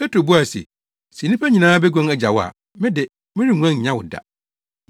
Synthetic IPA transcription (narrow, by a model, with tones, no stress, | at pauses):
pʰɛ˦tʰɾo˨bu˦a˨sḛ˨ | si˨nĩ˦pʰæ˦ɲĩ˨nãː˦bɛ˦ɡɔ̃˦ŋɛ˦d͡ʑa˨wɔ˦a̰˨ | mɪ̃˦dɪ˨ | mɪ̃˦ɾi˦˨ŋʷ˦ã˦˨ɲã˦wʊ̰˨da̰˨